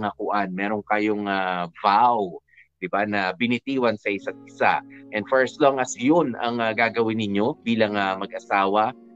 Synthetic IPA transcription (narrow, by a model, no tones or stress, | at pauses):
ŋakʊʔanmɛːɾoŋkɐjoŋavaw | d̪̥ɪbanɐbɪnɪt̪iːwɐnsɐʔɪsat̪̚ɪsa̰ʔɛnd̪fɛɹst̪loŋʔɐsjonɐ̰ŋɐɡaːɡɐwɪnːɪɲo̞biːlɐŋɐmɐɡʔɐsaːwɐ